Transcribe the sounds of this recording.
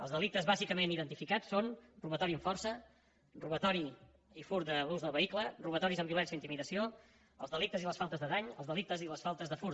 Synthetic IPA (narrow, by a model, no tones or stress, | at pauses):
əlˠzðəlik̚t̪əzβazikəmeniðənt̪ifikat͡sːonruβət̪ɔɾiəɱfɔrsə | ruβət̪ɔɾi | ifuɾt̪d̪əluzðəlˠβəikləruβət̪ɔɾizəmbiulɛnsiəint̪imiðəsio | əlˠzðəlik̚t̪əziləsfalˠt̪əzðəðaɲəlˠzðəlik̚t̪əziləsfalˠt̪əzðəfuɾ